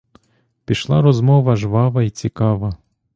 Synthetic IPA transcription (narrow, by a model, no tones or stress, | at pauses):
pʲiʃlˠɑɾɔzmɔʋɐʒʋɑʋɐit͡sʲikɑʋɐ